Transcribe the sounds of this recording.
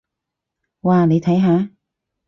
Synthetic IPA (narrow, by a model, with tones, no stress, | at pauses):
waː˨ne˨˧jt̪ʰɐ˨˥jɦaː˨˥